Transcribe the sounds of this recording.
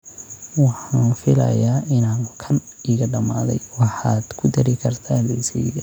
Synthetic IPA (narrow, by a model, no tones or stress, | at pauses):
wɑħɑfɪlɐ̰jaːʔɪnaːŋkʰɐniːɣɐɖɐmaːðɛ̰jwɑħɑːd̪̥kʰʊd̪ɐɾɪkʰɐrt̪ʰaːnlɛsijɡɐ